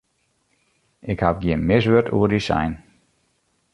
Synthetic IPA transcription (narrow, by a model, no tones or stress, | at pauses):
ʔɪkhafɡjɪənmɪsʋøtṵːərdisa̰jn